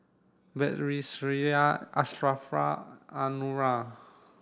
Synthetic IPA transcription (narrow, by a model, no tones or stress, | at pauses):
bɛt̪ɾisɾiaast̪ɾafɾa̰anuɾa